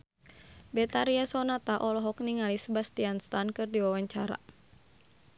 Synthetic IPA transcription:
bɛt̪aɾiasɔnat̪aʔɔlɔɦɔk̚niŋalisəbast̪ianst̪ankɨrdiwawaɲt͡ʃaɾa̰

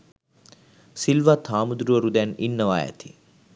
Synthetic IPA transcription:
silʋat̪ʰaːmud̪ɾuʋəɾud̪ɛninːəʋaːjæ̰t̪ʰi̥

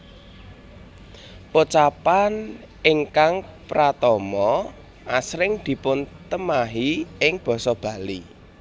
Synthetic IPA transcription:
pot͡ʃapan | ɪŋkaŋpɾat̪ɔmɔ | ʔasɾɪŋd̪̥i̤pʊnt̪əmaɦiɪŋb̥ɔ̤sɔb̥ä̤li

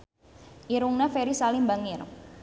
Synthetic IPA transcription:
ʔiɾuŋnafeɾisalimbaŋɪr

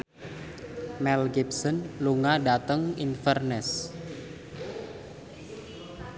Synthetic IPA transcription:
mɛlɡip̚sənluŋaɖat̪əŋinfɛrnɛs

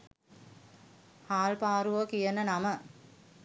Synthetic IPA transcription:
haːlpaːɾuʋəkijənənamə

